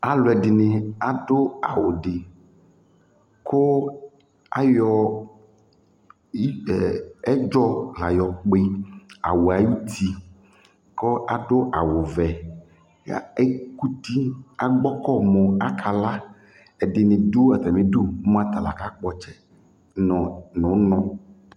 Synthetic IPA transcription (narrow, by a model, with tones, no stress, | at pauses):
a˨lʊ˨ɛ˨dɪ˨nɪ˨a˨dʊ˦a˨wo˨ɖɪ˨ | kʰo˦ | a̰˦jɔ˨˦˨ | ɛ˦d͡ʒɔ˦la˨jɔ˨k͡pe˦a̰˨wo˨a˨ji˦t̪ʰi˦ | ko˦a˨ɖo˦ʔa˨wo˨vɛ˨ | a̰˦˨e˦ku˦t̪i˦a˨ɡ͡bɔ˦kɔ˦mo˨a˨kʰa˨la˦ | ɛ˨dɪ˨nẽ˨do˦a˨t̪ɛ˨mẽ˨do˦m˦a˦t̪a˨la̰˨ka˦k͡pɔ˦t͡ʃɛ˨ | ɔ˨nɔ̃˨˦nɔ̃˦